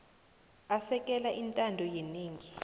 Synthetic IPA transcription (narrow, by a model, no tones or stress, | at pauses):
asɛk̬ʼɛlaʔintʼandʱɔjeniːŋʱi